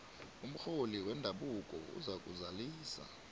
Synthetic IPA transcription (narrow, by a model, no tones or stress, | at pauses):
um̩xoliwɛndʱaɓukʼɔ̰ṵzak̬ʼṵzaliːsa̰